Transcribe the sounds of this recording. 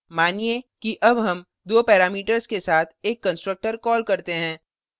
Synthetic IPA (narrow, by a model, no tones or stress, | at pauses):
maːniekiʔɐbɦɐm | d̪oːpɛːɾaːmiːʈəɾskesaːt̪ʰeːkːɐ̃nsʈɾək̚ʈəɾkɔːlkɐɾt̪eɦɛ̃ː